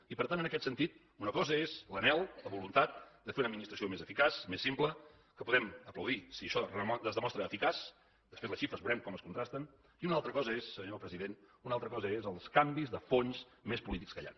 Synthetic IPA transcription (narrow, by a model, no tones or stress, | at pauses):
ipəɾt̪anənəkɛt̪sənt̪it̪̚ | unəkɔzəezlənɛlˠləβulunt̪at̪̚d̪əfeɾunəd̪minist̪ɾəsiomezəfikasmesːimplə | kəpuðɛməpləwðisiəʃɔəəzðəmɔst̪ɾəːfikas | d̪əspezləsʃifɾəzβuɾɛmkɔməskunt̪ɾast̪ən | iunalˠt̪ɾəkɔzəesːəɲopɾəziðenunalˠt̪ɾəkɔzəezəlˠskambizðəfons | mespulit̪ikskəja̰n